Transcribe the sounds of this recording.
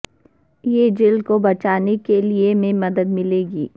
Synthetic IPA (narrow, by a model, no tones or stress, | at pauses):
jed͡ʒɪlkobɐt͡ʃaːnekeliemẽmɐd̪əd̪mɪleːɡiː